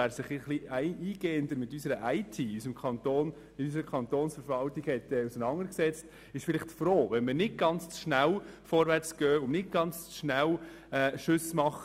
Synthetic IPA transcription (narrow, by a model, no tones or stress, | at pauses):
æːɾsɪχiχliæɪiːɡ̥eːənd̪əɾmɪtysəɾəʔæɪtʰiːysəmkʰɑntoːn | ɪysəɾəkʰχɑnt̪oːnsfəɾvɑltiɡ̥hɛtːɛusənɑŋəɾksɛt͡st | ɪʃfɪlɪχtfɾoːʋɛnmənɪd̚ɡɑnt͡st͡sʃnælfɔɾʋæɾt͡sɡ̥œːʊnnɪd̚ɡ̥ɑnt͡st͡sʃnæl | ɛːʃʏsmɑχ